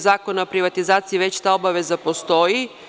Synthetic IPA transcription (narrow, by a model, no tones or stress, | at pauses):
zaːko̞naopɾiʋat̪izaːt̪siiʋe̞t͡ɕt̪aːobaʋe̞zapo̞st̪o̞ji